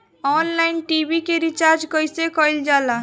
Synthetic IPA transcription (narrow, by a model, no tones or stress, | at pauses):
ɔnlaɪnʈibikeɾit͡ʃaɾd͡ʒkəjsekɔjld͡ʒala